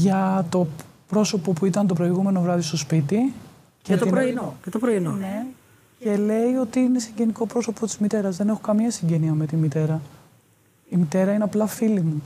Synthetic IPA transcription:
ʝɐt̪o̞pɾo̞so̞po̞puit̪ɐnt̪o̞pɾo̞iɣume̞no̞vɾɐðiost̪o̞spit̪i | cet̪inocet̪opɾoinone̞ | ce̞le̞io̞t̪iine̞siɲɟe̞niko̞pɾo̞so̞pot̪izmit̪e̞ɾɐzðe̞ne̞xokɐmɲɐsiɲɟe̞niɐmet̪imit̪e̞ɾɐ | imit̪e̞ɾɐineɐplɐfilimu

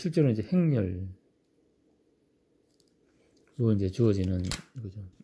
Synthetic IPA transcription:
ɕʰiɭt͡ɕ͈eɾoind͡ʑe̞heŋɲʌɭ | oind͡ʑe̞t͡ɕuʌd͡ʑinɯnkʌd͡ʑo

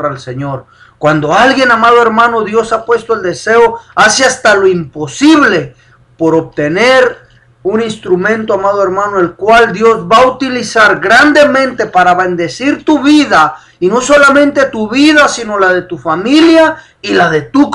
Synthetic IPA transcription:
ɾalseɲoɾ | kwand̪oalɣje̞namað̞oe̞ɾmãno̞ðjo̞sapwe̞st̪oe̞ld̪e̞se̞oasiast̪alo̞impo̞siβle | po̞ɾo̞β̚t̪e̞ne̞ɾ | uninst̪ɾumẽ̞nt̪oamað̞oe̞ɾmãnoe̞lkwald̪jo̞zβaut̪ilisaɾɣɾand̪e̞mẽnt̪e̞paɾaβe̞nd̪e̞siɾt̪uβiða | ino̞so̞lamẽnt̪e̞t̪uβiðasino̞laðe̞t̪ufamilja | ilaðe̞t̪uk

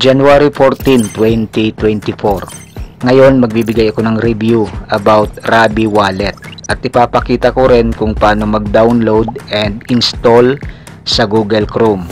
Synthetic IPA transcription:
d͡ʒɐnwaɾifoɾt̪int̪wɛnt̪it̪wɛnt̪ɪfoɹ | ŋɐjo̞nmɐɡ̚bibɪɡajɐko̞nɐŋɾɛbjuʔɐbawt̪̚ɾaːbiwaːlɛt̪̚ʔɐt̪̚ʔɪpaːpɐkiːt̪ɐkoɾɪnkʊŋpaːno̞mɐɡ̚d̪awnlowd̪̚ʔɛnd̪ɪnst̪ol | sɐɡuːɡɐlkɾum

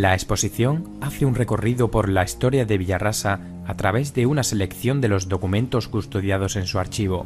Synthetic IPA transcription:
laekspo̞siθjo̞ŋ | aθeunre̞ko̞riðo̞po̞ɾlaist̪o̞ɾjaðe̞βiʎarasaː | t̪ɾaβ̞e̞zðe̞unase̞le̞kθjo̞nd̪e̞lo̞zðo̞kumẽ̞nt̪o̞skust̪oðjað̞o̞se̞nsuaɾt͡ʃiβ̞o̞̰

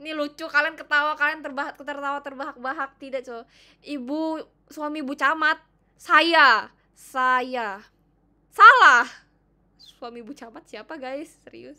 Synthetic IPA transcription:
nilut͡ʃukaliankət̪awakaliant̪ərbaɦat̪ərt̪awat̪ərbaɦak̚baɦak̚t̪idaʔt͡ʃo | ibu | suamibut͡ʃamat̪̚ | saja | saja | salah | swamibut͡ʃamat̪̚siapaɡajsːəɾḭʊs

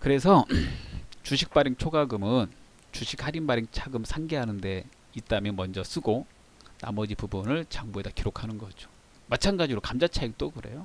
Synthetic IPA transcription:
kɯɾe̞sʰʌ | t͡ɕuɕʰik̚p͈aɾiŋt͡ɕʰoɡaɡɯmɯn | t͡ɕuɕʰikhaɾinmbaɾiŋt͡ɕʰaɡɯmsʰaŋɡeɦanɯnde̞ | it͈amjʌnmʌnd͡ʑʌs͈ɯɡo | na̰mʌd͡ʑipubunɯɭt͡ɕaŋbue̞dakiɾokʰanɯnɡʌd͡ʑo̥ | mat͡ɕʰanɡad͡ʑiɾokamd͡ʑat͡ɕʰaik̚t͈okɯɾe̞̰jo

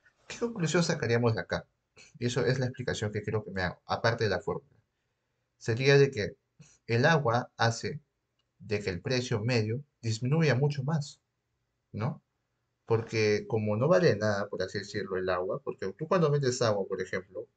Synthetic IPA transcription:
ke̞ko̞ŋklus̬jo̞nsakaɾiamo̞zðeaka | e̞so̞ʔe̞zlaesplikasjo̞ŋkekjeo̞ke̞mea̰ɣo̰a̰paɾt̪e̞ð̞elafo̞ɾmula | se̞ɾiaðe̞ke̞ː | laɣwaase̞ | ðe̞ke̞ːlpɾe̞sjo̞me̞ðjo̞ðizmĩnujamut͡ʃo̞mas | no̞ | po̞ɾke̞ko̞mo̞no̞βale̞nað̞apo̞ɾasiðesiɾlo̞e̞laɣwapo̞ɾket̪ukwand̪o̞met̪e̞saɣwapo̞ɾe̞xe̞mplo̞

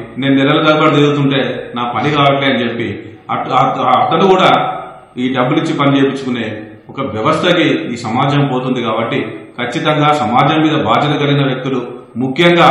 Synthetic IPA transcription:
ne̞ːnnɛlɐlɐd̪ɐɡɐbɐɽɐt̪eːɾuɡut̪uɳʈe̞ːnaːpɐniɡaːʋɐʈleɐnd͡ʒe̞pːi | ɐɐt̪ːɐnukuːɽaː | iːɖɐbːulit͡ʃːipɐnid͡ʒe̞ːpit͡ʃːu̥kune̞ː | ɔkɐʋjɐʋɐst̪ʰɐkiiːsɐmaːd͡ʒɐmpo̞ːt̪und̪ikaːbɐʈːikʰɐt͡ʃːit̪ɐŋɡaːsɐmaːd͡ʒɐmːiːd̪ɐbʱaːd͡ʒʱɐt̪ɐɡɐlɡinɐʋjɐk̚t̪ulumukʰjɐŋɡaː

